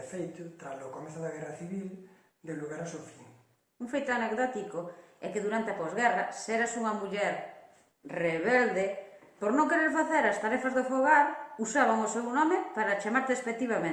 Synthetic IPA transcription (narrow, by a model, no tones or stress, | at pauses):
fejt̪ʊt̪ɾazokomeθʊðaɣɛraθiβil | d̪eluɣaɾasofiŋ | uŋfejt̪oanekðɔt̪ikoɛkeðuɾant̪eapozɣɛrasɛɾasuŋɐmuʎɛɾ | reβɛld̪e | poɾnõŋkeɾeɾfaθeɾast̪aɾɛfazðefoɣaɾusaβ̞aŋosewnɔmepaɾat͡ʃamaɾt̪eespek̚t̪iβamẽ